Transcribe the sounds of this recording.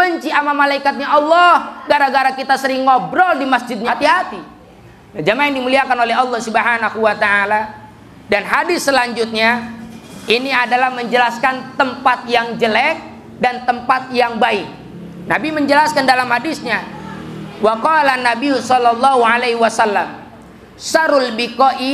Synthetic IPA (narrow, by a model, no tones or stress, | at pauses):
bəɲt͡ʃiamamalaikat̪̚ɲaʔɑlːɔhɡaɾaɡaɾakit̪asəɾɪŋːɔbɾɔldimasd͡ʒɪt̪̚ɲat̪iɦat̪i | jad͡ʒamajaŋdimuliakanolɛɦɑlːɔhsubɦanaɦuwat̪aala | danɦadɪsːəlaɲd͡ʒʊt̪̚ɲa | iniadalahməɲd͡ʒəlaskant̪əmpat̪̚jaŋd͡ʒəlɛk̚ | dant̪əmpat̪̚jaŋbaɪk̚ | nabiməɲd͡ʒəlaskandalamhadɪsɲa | waqɔlanːabiusɔlɔlːɔɦualeɦwasalːam | saɾulbikɔʔi